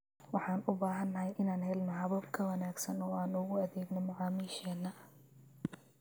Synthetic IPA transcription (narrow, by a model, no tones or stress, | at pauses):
wɑħɑːnʊbaːɦɐnːɐhɛjʔɪnaːnɦɛlnɔħɑβɐbkʰɐwɐnaːɡsɐnɔːaːnʊɣʊɐðɛːɡnɔmɑʕɑːmiːʃɛːnːɐ